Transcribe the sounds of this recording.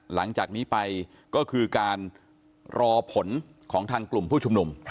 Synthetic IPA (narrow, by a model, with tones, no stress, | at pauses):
la˩˦ŋt͡ɕaː˨˩k̚niː˦˥pa˧j | kɔː˥˩kʰɯː˧kaː˧n | ɾʔɔː˧pʰo˩˦n | kʰɔː˩˦ŋt̪ʰaː˧ŋklu˨˩mpʰuː˥˩t͡ɕʰu˧mnu˧mʰ